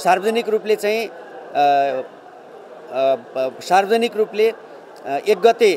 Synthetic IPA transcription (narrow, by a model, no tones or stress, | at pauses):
sarbʌd͡zʌnikruplet͡saĩ | sarbʌd͡zʌnikruple | ek̚ɡʌt̪e